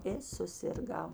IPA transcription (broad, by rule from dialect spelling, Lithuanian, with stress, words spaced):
ɪ sʊsʲɪrˈɡɐʊ